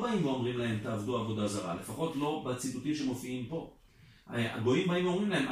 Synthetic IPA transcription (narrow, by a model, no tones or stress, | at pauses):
baimoomʁimlae̞mt̪aːvd̪uaːvo̞d̪azaʁa̰le̞faχo̞tlo̞bat͡situtimʃemo̞fiimpo̞ | a̰ɡo̞imbaimomʁimlae̞m